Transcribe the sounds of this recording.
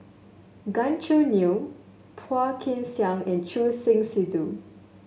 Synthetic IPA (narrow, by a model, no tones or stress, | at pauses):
ɡãnt͡ʃənu | pʰakʰɪ̃nsjãŋɛ̃nt͡ʃusɪ̃ŋsidu